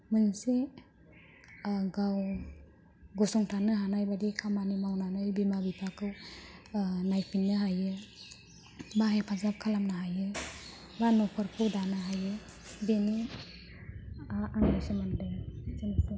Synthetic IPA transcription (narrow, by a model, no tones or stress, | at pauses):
mɯnse | ɡaw | ɡɔsɔŋtʰanɯɦanajbadikʰamanimawnanɯjbimabipʰakʰɯw | najpʰinːɯɦajɯ | baɦepʰazap̚kʰalamnaɦajɯ | banɔpʰɯɾpʰudanɯɦajɯ | beni | aŋdasemandɯsensɯ